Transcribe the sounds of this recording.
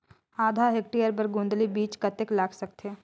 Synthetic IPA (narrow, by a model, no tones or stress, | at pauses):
aːd̪ʱaɦek̚ʈijəɾpəɾɡũnd̪libiːt͡ʃkɐt̪eklaːkʰsɐk̚t̪ʰe